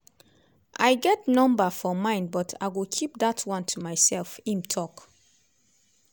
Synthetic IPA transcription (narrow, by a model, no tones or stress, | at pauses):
ʔaɪɡɛtnɔ̃mbafɔmãɪ̃nbɔtʰa̰ɪɡokʰip̚datʰwɔ̃ntʰumaɪsɛlfĩmtʰɔk